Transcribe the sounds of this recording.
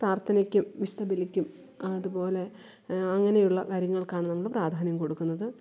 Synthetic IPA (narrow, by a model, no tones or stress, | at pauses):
praːrt̪ʰɐnikʲːumʋist̪ɐbilikʲːum | ɐðupo̞ːle̞ | ɐŋːɐne̞juɭːɐkaɾjɐŋːɐɭkaːɳɨnɐmːɐɭpraːd̪ʱaːnjɐmko̞ɽukːunːɐðɨ